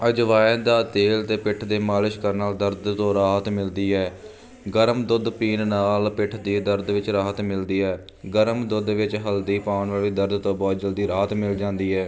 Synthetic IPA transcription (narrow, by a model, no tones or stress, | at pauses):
əd͡ʒʋaːəːd̪aːt̪eːlt̪eːpɪʈʰd̪eːmaːlɪʃkəɾnaːld̪əɾd̪t̪õːɾaːɦət̪mɪld̪iːɛː | ɡəɾmd̪ʊd̪piːnnaːlpɪʈʰd̪iːd̪əɾd̪ʋɪt͡ʃɾaːɦət̪mɪld̪iːɛː | ɡəɾəmd̪ʊd̪ʋɪt͡ʃɦəld̪iːpaːnʋaːliːd̪əɾd̪t̪õːbɔːt̪̚d͡ʒəld̪iːɾaːɦət̪mɪld͡ʒãːnd̪iːɛː